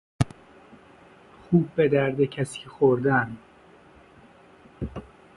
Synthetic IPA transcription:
xuːb̚ːed̪æɾd̪ecʰæsicʰexoɾd̪æn

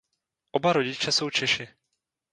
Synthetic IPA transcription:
ʔobaɾoɟɪt͡ʃɛso̞wt͡ʃɛʃɪ

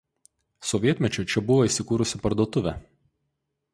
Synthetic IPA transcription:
sɔʋʲiɛt̪ʲmʲɛt͡ʃʲʊt͡ʃʲɛbʊʋoiːˑsʲɪkuːɾʊsʲɪpɐɾd̪uɔt̪ʊʋʲɛˑ

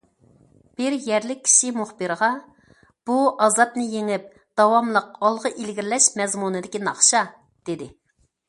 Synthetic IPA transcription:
b̥ɪɾjɛɾlɪk̚ʲʰːi̥ʃimuχbɨɾʁɑ | b̥uʔɑzɑt̪̚nɨjeŋɪp̚ | d̪̥ɑwɑmlˠəqɑlˠʁəʔilɡʲiɾlɛʃmɛzmunɨd̪ɪkʲinɑχʃɑ | d̪̥ed̪ɪ

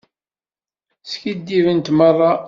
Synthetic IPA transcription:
sçid̪ːivənt̪mərˤːɑ

